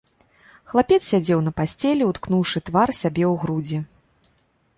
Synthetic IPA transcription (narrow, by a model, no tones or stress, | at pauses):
xlˠapʲɛtssʲad͡zʲɛwn̪ɐpasʲt͡sʲɛlʲɛut̪knuwʂɨt̪varsʲabʲɛwɣɾud͡zʲɛ